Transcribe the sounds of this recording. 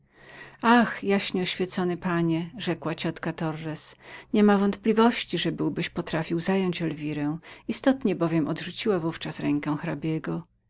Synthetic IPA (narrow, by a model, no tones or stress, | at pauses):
axjaɕɲɛɔɕfʲɛt̪sɔnɘpaɲɛʐɛkwat͡ɕɔt̪kat̪ɔrːɛsɲɛmavɔnt̪plʲivɔɕt͡ɕiʐɛbɘwbɘɕpɔt̪ɾafʲiwzajɔɲd͡ʑɛlvʲiɾɛ̃w̃ist̪ɔt̪ɲɛbɔvʲjɛmɔd̪ʐut͡ɕiwavuft͡ʂasɾɛŋkɛ̃w̃xɾabʲjɛɡɔ